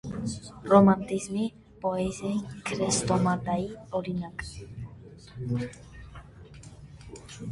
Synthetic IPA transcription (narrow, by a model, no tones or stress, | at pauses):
rɔmant̪izmi | pɔɛzajkʰɾɛst̪ɔmat̪aiɔɾinak